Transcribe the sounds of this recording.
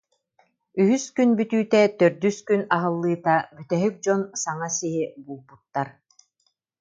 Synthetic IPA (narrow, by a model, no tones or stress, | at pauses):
yɦyskynbyt̪yːt̪ɛt̪œɾd̪yskynaɦɯlˠːɯːt̪abyt̪ɛɦyk̚d͡ʑɔnsaŋasiɦibuːlˠbut̪ːaɾ